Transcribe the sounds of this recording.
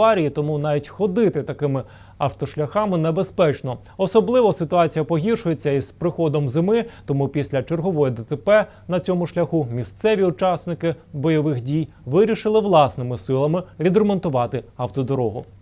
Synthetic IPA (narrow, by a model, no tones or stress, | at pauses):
ɑɾʲijit̪ɔmunɑʋʲitʲxɔd̪ɪt̪ɪt̪ɐkɪmɪ | ɐwt̪ɔʃlʲɐxɑmɪnebespɛt͡ʃnɔ | ɔsɔblˠɪʋɔsɪt̪ʊɑt͡sʲijɐpɔɦʲirʃʊje̞t͡sʲːɐizpɾɪxɔd̪ɔmzɪmɪt̪ɔmupʲisʲlʲɐt͡ʃerɦɔʋɔjɛd̪et̪epɛ | nɐt͡sʲɔmʊʃlʲɐxumʲist̪sɛʋʲiʊt͡ʃɑsnɪkɪbɔjɔʋɪxdʲij | ʋɪɾʲiʃɪlˠɪʋlˠɑsnɪmɪsɪlˠɐmɪʋʲid̪ɾemɔnt̪ʊʋɑt̪ɪɐwt̪ɔd̪ɔɾɔɦʊ̰